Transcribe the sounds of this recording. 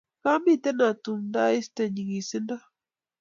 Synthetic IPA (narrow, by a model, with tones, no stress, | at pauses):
ka˦mi˦t̪e˦na˨t̪u˨nda˦i˦st̪e˨ɲi˨ŋi˨si˦na˦